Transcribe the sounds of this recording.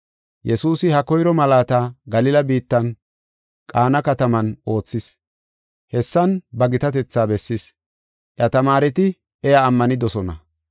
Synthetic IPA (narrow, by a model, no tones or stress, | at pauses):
jɛsuːsɪhɐkɔjɾɔmɐlaːt̪aɡɐlɪlɐbiːt̪ːɐn | kʼaːnɐkɐt̪ɐmɐnʔo̞ːt͡sːɪs | hɛsːɐnbɐɡɪt̪ɐt̪ɛt͡sːaːbɛsːɪs | ʔɐt̪ɐmaːɾɛt̪ɪ | ʔɛjaːmːɐnɪd̪ɔsɔnɐ̰